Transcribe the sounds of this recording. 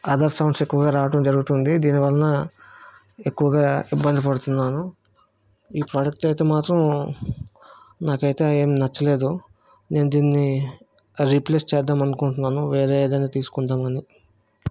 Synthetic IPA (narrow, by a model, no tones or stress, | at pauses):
ɐd̪ɐɾsɐwɳɖse̞kːuʋɐɡaːɾaːʋɐʈɐmd͡ʒɐɾuɡut̪und̪id̪iːniʋɐlɐnɐ | e̞kːuʋɐɡaːibːɐnd̪ipɐɽut̪unːaːnu | iːpɾaːd͡ʒɐk̚ʈɐjt̪eːmaːt̪ɾɐm | naːkɐjt̪e̞ːeːmnɐt͡ʃːɐle̞ːd̪u | ne̞ːnud̪iːnːi | ɾipleːst͡ʃɛːd̪ːaːmɐnukuɳʈunːaːnuʋeːɾeːd̪ɐjnaːt̪iːsu̥kuɳd̪aːmɐni